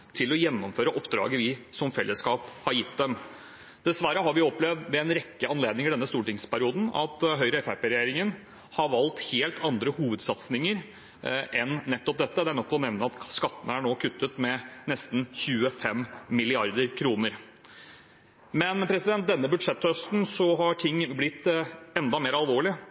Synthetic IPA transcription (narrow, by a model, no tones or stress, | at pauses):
t̪ʰɪlɔjɛnːɔmføːɾəʔɔpd̪ɾɑ̰ːɡəʋɪsɔmfɛlːəskɑːphɑɾjɪt̪d̪ɛm | d̪̥ɛsʋæɾəhɑɾʋɪɔplɛʋd̪ʋɛɛnɾɛkːəɑnleːd̪nɪŋɪd̪ɛnːəst̪uːʈɪŋspʰæɾɪuːd̪n̩ɑ̰t̪ɦœʏɾəɛfæpeːɾɛjeːɾɪŋən | hɑɾʋɑlt̪heːlt̪ʰɑnd̪ɾəhuːʋəd̪sɑt̪snɪŋəɾ | ʔɛnːɛt̪ːɔp̚d̪ɛt̪ːəd̪ɛænɔkːɔnɛʋnəɑt̪skɑt̪ːənəæɳoːkʰʉt̪ːət̪mɛnɛst̪n̩çʉːəfɛmːɪlɪɑɾd̪əɾkʰɾuːnəɾ | mɛnpʰɾɛsɪd̪ɛnt̪̚d̪ɛnːəbʉd̪ʂɛt̪ːhœst̪n̩sɔɦɑʈʰɪŋːblɪt̪ːɛnd̪ɑmeːɾɑlʋoːɭɪ